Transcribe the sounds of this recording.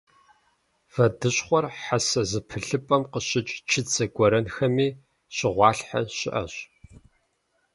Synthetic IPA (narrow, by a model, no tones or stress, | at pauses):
fɐdɨɕʼχʷɔrħasɐzɨpʰɨɬɨpʼɐmqəɕɪt͡ʃʼt͡ʃʰɪt͡sʰʼɐɡʷɔɾɐnxɐmiː | ɕɪʁʷɑːɬħa̰ɕɪ̰ʔɐ̰ɕʼ